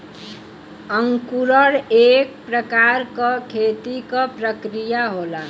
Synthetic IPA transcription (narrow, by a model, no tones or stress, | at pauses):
ʌŋkuɾʌɽek̚pɾəkaɾkʌkʰet̪ikʌpɾəkɾijaɦola